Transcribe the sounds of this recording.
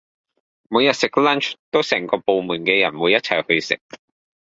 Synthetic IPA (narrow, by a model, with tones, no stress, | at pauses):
muː˨˧jɐ˨t̚sɪ˨k̚lɐ˥nt͡ʃt̪o˥wsɛː˨˩ŋkɔː˧po˨˧wmuː˨˩nkɛː˧jɐ˨˩nwuː˨˧jɐ˥t̚t͡sʰɐ˨˩jhɵ˧ɥsɪ̰˨k̚